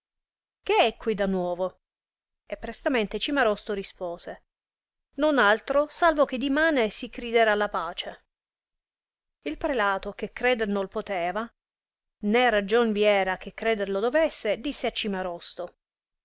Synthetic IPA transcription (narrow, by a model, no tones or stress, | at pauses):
k̟eɛkːwid̪anwɔːvo | epːɾest̪ament̪et͡ʃimaɾɔst̪oɾispoːse | nonalt̪ɾosalvok̟ed̪ːimaːnesikɾid̪ɛɾalːapaːt͡ʃe | ilpɾelaːt̪ok̟ekːɾɛːd̪eɾnolpot̪ɛːva | nerad͡ʒonviɛːɾak̟ekːɾɛːd̪eɾlod̪ovesːed̪isːeat͡ʃːimaɾɔst̪o